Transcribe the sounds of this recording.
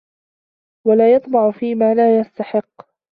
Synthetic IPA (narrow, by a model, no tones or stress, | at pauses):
walaːjɑt̪ˤmɑʕʊfiːmaːlaːjast̪aħɪqː